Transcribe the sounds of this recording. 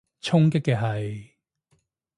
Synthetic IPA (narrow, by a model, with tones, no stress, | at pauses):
t͡ʃʰʊ˥ŋkɪ˥kːɛ˧ɦɐ˨˩j